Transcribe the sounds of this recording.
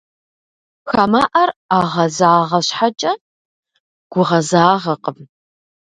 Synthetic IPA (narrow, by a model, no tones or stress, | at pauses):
xamaːʔɐraːʁɐzaːʁɐɕħat͡ʃʼɐ | ɡ̥ʷʊʁɐzaːʁɐqəm